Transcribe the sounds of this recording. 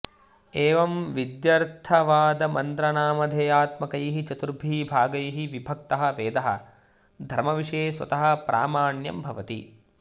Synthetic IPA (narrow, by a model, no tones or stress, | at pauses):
eːʋɐmʋid̪jɐɾt̪ʰɐʋaːd̪ɐmɐnd̪ɾɐnaːmɐd̪ʱeːaːt̪mɐkɐjɐɦit͡ʃɐt̪uɾbʱiːbʱaːɡɐjɐɦiʋibʱɐk̚t̪ɐɦɐ̆ʋeːd̪ɐɦɐ̰̆ | d̪ʱɐɾmɐʋiʂɐjeːsʋɐ̰t̪ɐɦɐ̆pɾʔa̰ːmaːɳjɐ̰mbʱɐʋɐt̪ḭ